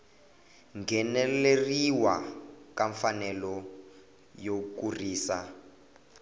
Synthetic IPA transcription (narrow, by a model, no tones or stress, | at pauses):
ŋɡɛnɛleriwakaɱfanɛlɔ | jokuriːsa